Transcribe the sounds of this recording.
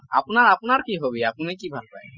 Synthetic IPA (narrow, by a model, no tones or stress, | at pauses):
a̰punaɹapunaɹkiɦobiapunikibʱalpa̰j